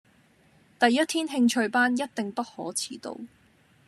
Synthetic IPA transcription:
t̪ɐ˨jːɐ˥t̪̚ʰiː˥nɦɪ˧ŋt͡ʃʰɵ˧ɥpaː˥njɐ˥t̚t̪ɪ˨ŋpɐ˥t̚hɔː˨˥t͡sʰiː˨˥t̪o̰˧w

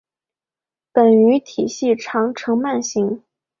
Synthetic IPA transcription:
pə˨˩ny˧˥t̪ʰi˨˩ɕi˥˩ʈ͡ʂʰɑ˧˥ŋʈ͡ʂʰɤ˧˥ŋma˥˩nɕi˧˥ŋ

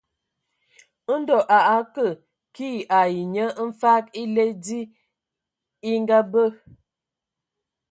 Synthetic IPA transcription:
dɔ˨ʔa˨ʔa˨˦kə˨ | ki˦˨a˨ji˨ɲə˦n̩˦fa˦ki˦le˦di˦ | i˦ŋ˦ɡa˦bə˦˨

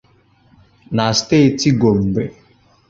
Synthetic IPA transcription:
na˨ste˦˨ti˦ɡo˨m̩˨be˨

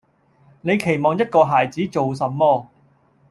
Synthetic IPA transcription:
ne˨˧jkʰe˨˩jmɔː˨˩ŋjɐ˥t̚kɔː˧ɦaː˨˩jt͡siː˨˥t͡so˨ws̬ɐ˨˥mmɔː˧

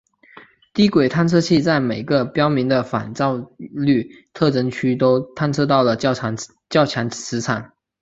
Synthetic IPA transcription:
t̪i˥kwe˨˩ɪt̪ʰa˥˧nt͡sʰɤ˥˧t͡ɕʰi˥˧t͡sa˥˩ɪme˨˩ɪɡə˦pjɑ˥ʊmi˧˥ŋd̪ə˧fa̰˨˩nt͡sɑ˥˧ʊly˥˩ | t̪ʰɤ˥˩ʈ͡ʂɤ˥ŋt͡ɕʰy˥t̪o˥ʊt̪ʰa˥˧nt͡sʰɤ˥˧t̪ɑ˥˩ʊlə˩˥˧ | t͡ɕjɑ˥˩ʊt͡ɕʰja˧˥nt͡sʰɻ̩˧˥t͡sʰa˨˩˦n

